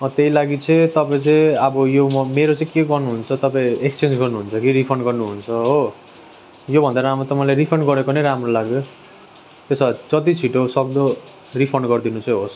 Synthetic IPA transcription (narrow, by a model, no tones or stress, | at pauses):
ʌt̪eilaɡit͡sʰʌĩt̪ʌpaĩt͡sʌĩʌbʌjomʌmeɾot͡saĩkeɡʌrnuɦunt͡sʰʌt̪ʌpaĩekst͡send͡zɡʌrnuɦunt͡sʰʌkiɾipʰʌnɡʌrnuɦunt͡sʰʌɦo | jobʱʌnd̪aɾamot̪ʌmʌlaɾipʰʌnɡʌɾekonʌjɾamrolaɡ̚d̪o | t̪esad͡zʌt̪it͡sʰiʈosʌk̚d̪ʌ | ripʰʌrnɡʌrd̪inut͡sʌ̃j̃ɦos